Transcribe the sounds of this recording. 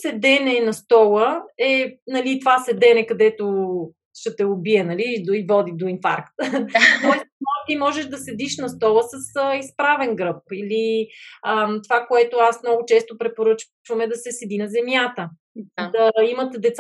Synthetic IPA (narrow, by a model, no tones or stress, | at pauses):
sɛd̪ɛnɛnɐst̪ɔlˠəɛnɐlit̪ovasɛd̪ɛnɛkɐd̪ɛt̪o | ʃɛt̪ɛʊbiɛnɐlioivɔd̪id̪oinfa̰ɾkt̪t̪ɔɛsmɔt̪imɔʒɛʃd̪ɐsɛd̪iʃnɐst̪ɔlˠəsəsəispɾavɛnɡɾɤp̚iliət̪ovakoɛt̪ʊasmnɔɡʊt͡ʃɛst̪opɾɛpoɾɤt͡ʃt͡ʃvɐmɛd̪ɐsɛsɛd̪inɐzɛmjat̪ə | d̪ɐimət̪ɛd̪ɛt̪s